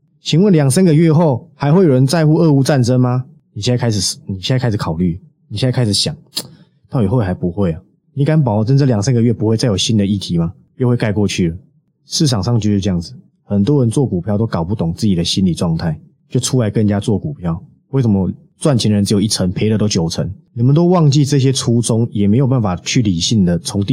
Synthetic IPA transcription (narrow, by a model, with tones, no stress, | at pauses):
t͡ɕʰi˧˥ŋwə˧˨nljɑ˨˩ŋsə˦˥nɡə˨ɥɛ˥˧xo˥˩ʊha˧˥ɪxwe˥˩ɪjo˨˩ɻə˧˦nt͡sa˥˧ɪxu˥˧ɤ˥˧u˥˧t͡sa˥˨nʈ͡ʂə˦nma˨ | ni˨˩ɕa˥˧˩kʰa˥ɪʂ̬̩˨˩˨ni˨˩ɕi˥˧˥a˥ɪʂ̬ɻ̩˨˩kʰɑ˨˩ʊly˥˩ | ni˨ɕi˥˧˥a˥ɪʂɻ̩˨˩˦ɕjɑ˨˩˦ŋ | t̪ɑ˥˩i˨˩wo˥˧˩xa˧˥ɪpu˧˦xwe˥˩ɪə˩ | ni˨˥ka˥np̬ɑ˨˩ʊ˧t͡sə˥˦nt͡sə˥˨ljɑ˨˩ŋsə˦nɡə˨˧ɥɛ˥˩pu˧˦xwe˥˧ɪt͡sa˥˩ɪjo˨˩ʊɕi˦nd̪ə˨i˥˩t̪ʰi˨˦ma˦ | jo˥˧xwe˥˧ɪka˥˧ɪkwɔ˥˧t͡ɕʰy˥˩lə˩ | ʂ̩˥˩ʂʰɑ˨˩ŋʂɑ˥˧ŋt͡ɕjʂ̩˥˧ɤ˥˧jɑ˥˩ŋd͡zɹ̩˩ | xə˨˩nt̪wɔ˦˥ɻə˧˦nt͡swɔ˥˩ku˨˩pʰjɑ˥˧ʊt̪o˥ʊkɑ˨˩ʊpu˥˧t̪ʊ˨˩ŋt͡sɹ̩˥˩t͡ɕi˨˩d̪ə˦ɕi˦nli˨˩t͡swɑ˥˧ŋt̪ʰa˥˩ɪ | t͡ɕjo˥˩ʊʈ͡ʂʰu˦˥la˧˥ɪkə˥˩nt͡ɕja˦t͡swɔ˥˩ku˨˩pʰjɑ˥ʊ | we˥˩ʂə˩mə˦ | t͡swa˥˩nt͡ɕʰi˧nd̪ə˧ə˧nt͡s̩˧˥jo˨˩i˥˩t͡sʰə˧˦ŋpʰe˧˥ɪdə˨˧t̪o˥ʊt͡ɕjo˨˩t͡sʰə̰˧˦ŋni˨˩mə˨nt̪o˥ʊwɑ˥˧ŋt͡ɕi˥˧t͡sɤ˥˧˩ɕ̬jɛ˦˥t͡sʰu˦t͡sʊ˦ŋjɛ˨˩me˧˥ɪjo˨˩pa˥˩nfa˨˩t͡ɕʰy˥˩li˨˩ɕi˥˩nd̪ə˨t͡sʰʊ˧˦ŋt̪i˥˨